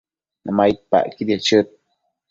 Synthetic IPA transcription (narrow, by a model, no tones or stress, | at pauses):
nʔamajt̪̚pa̰ʔkid̪jat͡ʃət̪̚